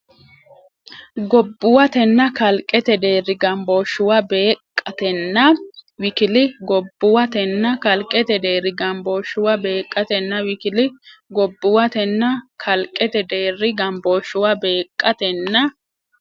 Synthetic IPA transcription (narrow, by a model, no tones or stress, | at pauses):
ɡɔbːʊwɐt̪ɛnːɐkɐlkʼːɛt̪ɛd̪e̞ːrːɪɡɐmboːʃːʊwɐbe̞ːkʼːɐt̪ɛnːɐwɪkɪlɪɡɔbːʊwɐt̪ɛnːɐkɐlkʼːɛt̪ɛd̪e̞ːɾɪɡɐmboːʃʊwɐbeːkʼːɐt̪ɛnːɐwɪkɪlɪɡɔbːʊwɐt̪ɛnːɐkʰɐlkʼːɛt̪ɛd̪e̞ːrːɪɡɐmboːʃʊwɐbe̞ːkʼːɐt̪ɛnːɐ